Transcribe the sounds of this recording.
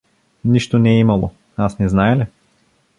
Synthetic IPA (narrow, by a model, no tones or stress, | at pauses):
niʃt̪onɛːimɐlˠo̰ | asnɛznaɛlɛ